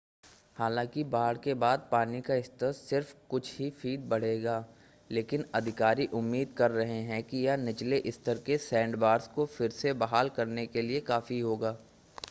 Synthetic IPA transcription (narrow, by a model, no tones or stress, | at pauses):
haːlãːkibaːɽkebaːd̪̚paːnikaɪst̪əssɪɾfkʊt͡ʃʰɦifiːd̪̚bɐɽ̤eːɡaː | leːkɪnɐd̪ʱɪkaːɾiʔʊmːiːd̪̚kɐɾːɐɦeɦɛ̃kijanɪt͡ʃleʔɪst̪əɾkesɛ̃ːɳɖbaːɾskofɪɾsebɐɦaːlkɐɾnekeliekaːfiɦoːɡaː